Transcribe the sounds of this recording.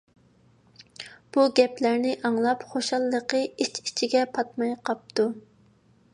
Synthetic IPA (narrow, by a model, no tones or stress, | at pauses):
b̥uɡʲɛplæɾnɪʔɑŋlˠɑpχoʃɑlˠːəqəit͡ʃi̥t͡ʃʰiɡʲɛpʰɑt̪mɑjqɑp̚t̪ʰu